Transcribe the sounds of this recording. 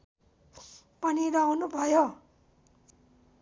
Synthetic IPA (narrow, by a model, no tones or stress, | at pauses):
pʌniɾʌwnubʱʌjo